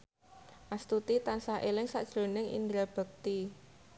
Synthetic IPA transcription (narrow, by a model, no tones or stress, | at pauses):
ʔast̪ut̪it̪ansaʔelɪŋsa̰ʔd̥ʒ̥lonɪŋḭnd̪ɾab̥ə̤k̚t̪i